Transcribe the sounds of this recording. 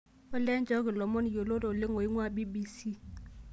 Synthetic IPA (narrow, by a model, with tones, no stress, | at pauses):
ʊ˦lɛ˦nd͡ʒɔ˦kɪ˨lɔ˨mɔ˦ni˨jo˨lo˦ɾɔ˨lɪ˦ŋo˨i˦ŋwa˦bi˦bi˦si˦